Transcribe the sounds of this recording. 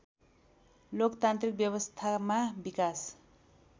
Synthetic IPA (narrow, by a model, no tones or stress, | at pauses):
lokt̪ant̪rik̚bjʌβʌst̪ʰamabikas